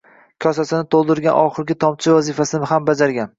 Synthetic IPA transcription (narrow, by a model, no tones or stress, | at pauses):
kʲʰɒsasɪnɪt̪ʰolˠd̪ɪɾɡʲanʔɒχɨɾɡʲɪt̪ʰɒmt͡ʃʰɪvazɪfasɪnɪɦambad͡ʒaɾɡʲan